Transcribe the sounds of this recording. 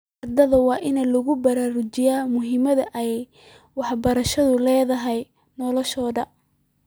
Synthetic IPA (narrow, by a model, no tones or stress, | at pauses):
ʔɐrd̪ɐðɐwɑːʔɪnɐlʊɣʊbɐɾaːɾʊt͡ʃɪjaːmʊɦɪmɐðɐʔɛj | wɑħbɐɾɐʃɐðʊlɛːðɐɦɛj | nɔlɔʃɔːðɐ